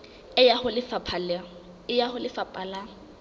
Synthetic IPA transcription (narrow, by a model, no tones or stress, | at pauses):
ɪjahʊlɪfapʰal | ɪjahʊlɪfapʼala